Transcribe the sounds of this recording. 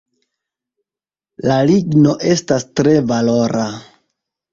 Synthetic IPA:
laliɡno̞ʔe̞stastɾe̞valo̞ɾa

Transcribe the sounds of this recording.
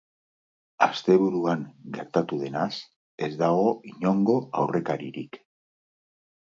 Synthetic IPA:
ast̪e̞βuɾuaŋɡe̞ɾt̪at̪uðe̞nas | e̞zd̪aɣo̞iɲo̞ŋɡo̞awre̞kaɾiɾik

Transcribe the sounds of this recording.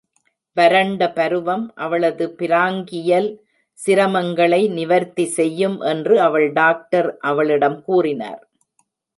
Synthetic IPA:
ʋɐɾɐɳɖɐpɐɾɯʋɐmʔɐʋɐɭɐðɯpɪɾaːŋɡɪjɐl | sɪɾɐmɐŋɡɐɭɐɪnɪʋɐɾt̪isɛjːɯmʔɛndrɯɐʋɐɭɖaːk̚ʈɐɾʔɐʋɐɭɪɽɐmkuːrɪna̰ːɾ

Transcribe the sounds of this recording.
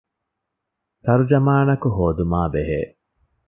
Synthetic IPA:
t̪ɐɾud͡ʒɐmaːnɐkuɦoːd̪umaːbeɦḛː

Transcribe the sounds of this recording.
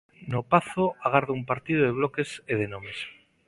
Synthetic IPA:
nopaθoaɣ̞aɾðoumpaɾt̪ið̞oðeβ̞lokeseð̞enomes

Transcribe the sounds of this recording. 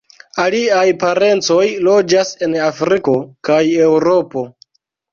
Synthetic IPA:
aliajpaɾe̞nt͡so̞jlo̞d͡ʒase̞nafɾiko̞kaje̞wɾo̞po̞

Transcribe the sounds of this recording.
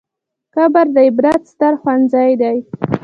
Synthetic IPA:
kabaɾd̪aɪbɾat̪st̪aɾxwanzɑjd̪aj

